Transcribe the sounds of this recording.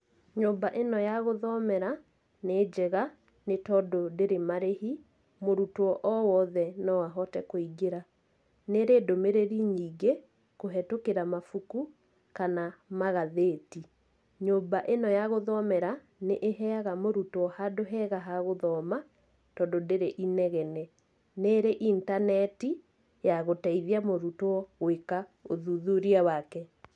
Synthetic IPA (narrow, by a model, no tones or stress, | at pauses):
ɲobaʔenɔjaɣoðɔmɛɾa | neːd͡ʒɛɣa | netɔdodeɾemaɾehi | moɾutɔʔɔwɔðɛnɔwaɦɔtɛkoiɡeɾa | neɾeːdomeɾeɾiɲiːɡe | koɦɛtokeɾamafuku | kanamaɣaðeːti | ɲombaʔenɔjaɣoðɔmɛɾa | neʔeɦɛaɣamoɾutoɔhadoɦɛɣaɦaɣoðɔma | tɔndodeɾeʔinɛɣɛnɛ | neːɾeʔintanɛti | jaɣotaiðiamoɾutoɔɣwekaoðuðuɾiawakɛ